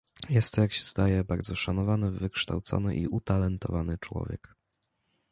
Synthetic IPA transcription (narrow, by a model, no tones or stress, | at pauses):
jɛst̪ːɔjakɕɛ̥z̥d̪ajɛbaɾd̪zɔʂanɔvanɘvɘkʂt̪awt̪sɔ̰nɘ̰ʔiut̪alɛnt̪ɔ̰vanɘt͡ʂwɔ̰vʲjɛ̰k